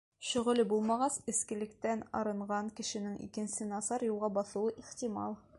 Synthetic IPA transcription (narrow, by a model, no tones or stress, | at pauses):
ɕɵ̆ʁɤ̆lɘbulˠmɑʁɑsɘ̆skɘ̆lɘ̆kt̪ænɒ̰ɾɤ̆ɴʁɑŋkɘ̆ʃɘ̆nɘŋʔḭkɘ̆nsɘnɑsɑɾjulˠʁɑbɒθŭwɤʔiχt̪ʲimɑ̰lˠ